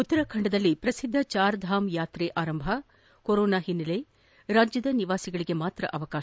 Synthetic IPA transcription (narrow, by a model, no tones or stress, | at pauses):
ut̪ːɐɾɐkʰɐɳɖɐd̪ɐlːipɾɐsid̪ʱːɐt͡ʃaːɾd̪ʱaːmjaːt̪ɾeːʔaːɾɐmbʱɐ | koɾoːnaːɦinːɐle | ɾaːd͡ʒjɐd̪ɐniʋaːsiɡɐɭiɡe̞maːt̪ɾɐ̰ʔɐʋɐkaːʃ